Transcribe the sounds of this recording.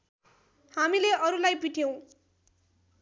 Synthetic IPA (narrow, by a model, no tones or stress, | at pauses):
hamileʔʌɾulajpiʈʰjow̃